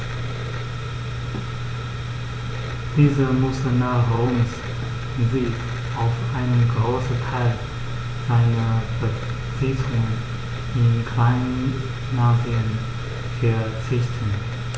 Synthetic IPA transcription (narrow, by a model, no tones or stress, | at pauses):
d̥iːzəmʊsənaːʁʊns | zi | ʔaʊfʔaɪnənɡʁoːsətʰaɪl | z̥aɪnɐb̥ə | t͡siːtʰʊŋən | ʔɪnkʰl̥aɪnən | nːaːziən | fɛɐt͡sɪçtʰən